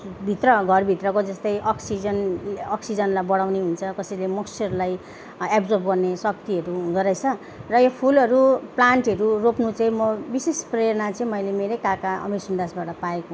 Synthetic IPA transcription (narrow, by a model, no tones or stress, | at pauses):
bʱit̪rʌɡʱʌrbʱit̪rʌkod͡zʌst̪ʌjʔʌksid͡zʌnʌksid͡zʌnlajbʌɽawneɦunt͡sʰʌkʌsʌlemʌkt͡sʰeʌɾulaj | apd͡zʌrbɡʌrnesʌk̚t̪iʌɾuɡʌɾʌjt͡sʰʌ | rʌjopʰulʌɾuplaɳʈɦʌɾuropnut͡sʌĩmʌbisespreɾnat͡sʌĩmʌjlemeɾʌjkakaʌ̰misund̪asbaʈʌpaeko